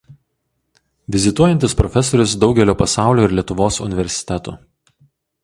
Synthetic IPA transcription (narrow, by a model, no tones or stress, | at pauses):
ʋʲɪzʲɪt̪uɔjɛnʲt̪ʲɪspɾɔfʲɛsɔɾʲʊsd̪ɒʊɡʲɛlʲoːpɐsɑˑʊlʲoːɪɾʲlʲiɛt̪ʊʋoːsʊ̰nʲɪʋʲɛɾʲsʲɪ̥t̪ʲɛt̪ṵː